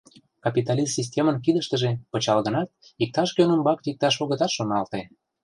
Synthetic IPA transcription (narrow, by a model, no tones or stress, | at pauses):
kɑpʲit̪ɑlʲissis̬ʲtʲemənk̬id̪əʃt̪ə̆ʒepət͡ɕɑlɣənɑt̪̚ik̚t̪ɑʃkønəmbɑk̪ik̚t̪ɑʃ̬oɣə̆t̪ɑt̪ʃonɑlt̪ej